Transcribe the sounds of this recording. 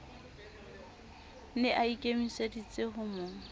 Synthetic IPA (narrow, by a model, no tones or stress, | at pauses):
nɪʔaikʼemisedit͡sʼɪɦʊmʊːŋ̩